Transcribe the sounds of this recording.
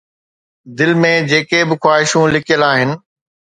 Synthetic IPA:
d̪ɪlmẽd͡ʑeːkebɪxwaːɦɪʃũlɪkʰijəlaːɦɪnɪ̆

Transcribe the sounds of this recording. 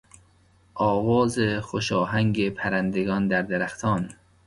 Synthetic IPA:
ʔɒːvɒːzexoʃɒːɦæŋɡepʰæɾænd̪eɡɒːnd̪æɾd̪eɾæxt̪ʰɒːn

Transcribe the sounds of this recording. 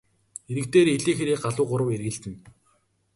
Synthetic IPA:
eɾɘ̆k̚t̪eːɾeɮeːxeɾeːkɢaɮʊːɢʊɾə̆werɣɘ̆ɮt̪ɘ̆n

